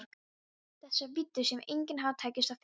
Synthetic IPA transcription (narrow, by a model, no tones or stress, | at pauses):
ɾk | θɛsːavɪt̪ːʏsjɛmejɲcɪnɦawt̪ʰaːjcɪst̪avf